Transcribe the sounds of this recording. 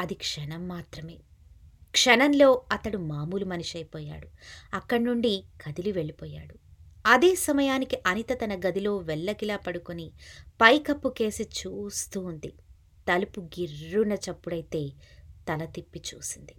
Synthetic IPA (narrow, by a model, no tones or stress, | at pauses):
ɐd̪ikʂɐnɐmːaːt̪ɾɐme̞ː | kʂɐnɐnlo̞ːɐt̪ɐɽumaːmuːlumɐniʃɐjpɔːja̰ːɽuɐkːɐɽnuɳɖikʰɐd̪iluʋe̞ɭːipɔːja̰ːɽuɐd̪eːsɐmɐjaːnikiʔɐnit̪ɐt̪ɐnɐɡɐd̪ʱilo̞ːʋɛɭːɐkilaːpɐɽukunipɐjkɐpːuke̞ːsit͡ʃuːst̪uːnd̪i | t̪ɐlupuɡiɾːunɐt͡ʃɐpːuɽɐjt̪e̞ːt̪ɐlɐt̪ipːit͡ʃuːsind̪i